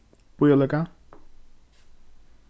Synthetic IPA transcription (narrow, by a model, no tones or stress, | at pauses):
pʊjɔleka